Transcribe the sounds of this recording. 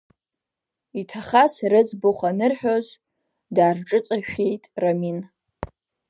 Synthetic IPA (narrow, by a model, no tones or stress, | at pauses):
itʰaχasrɨd͡zboχʷanɨrħᶣoz | daːrʈ͡ʂʼɨt͡sʼaʃᶣejtʼramin